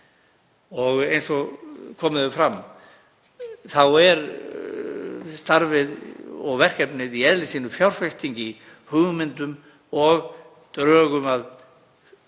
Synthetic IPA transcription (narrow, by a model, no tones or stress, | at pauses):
ɔɣejnsɔɣkʰɔːmɪðʏfɾamː | θawɛɾ | st̪aɾvɪðɔɣvɛr̥cɛpnɪðiɛðlɪsiːnʏfjawɾ̥fɛst̪ʰiɲcɪ | hʏɣmɪnt̪ʏm | ɔɣ | t̪ɾœːɣʏmað